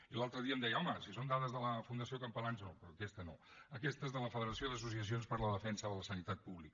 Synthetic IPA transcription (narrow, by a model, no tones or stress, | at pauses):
ilalˠt̪ɾəðiəmd̪ɛjəɔməsisond̪aðəzðələfund̪əsiokəmpəlansnopɾɔːkɛst̪əno̰əkɛst̪əezðələfəðəɾəsioðəs̬us̬iəsionspəɾləðəfɛnsəðələsənit̪at̪̚puβlik